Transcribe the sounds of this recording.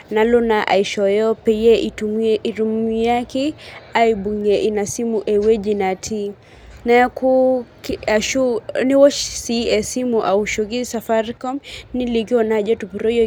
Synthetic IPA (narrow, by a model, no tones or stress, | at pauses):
nalɔnaʔa̰iʃɔjɔpɛjɛʔtuiɾumiakiaibuŋɡɛʔinasimuʔɛwɛd͡ʒinatʰi | nakukaʃuniwɔt͡ʃsiɛsimuʔauʃɔkisafaɾikɔmnilikiɔnaʄɛtupiɾɔjɔ